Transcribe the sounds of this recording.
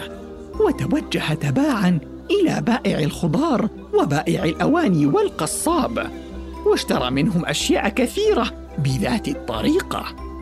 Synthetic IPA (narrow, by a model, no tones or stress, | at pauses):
wat̪awad͡ʒːahat̪abaːʕan | ʔɪla̰ːbaːʔɪʕalxʊd̪ˤɑːɾˤ | wabaːʔɪʕalʔawaːniːwalqɑsˤːɑːb | waʃt̪ɑɾˤɑ̰ːmɪnɦʊmʔaʃjaːʔkaθiːɾa | bɪðaːt̪ɪt̪ˤːɑ̰ɾiːqɑ̰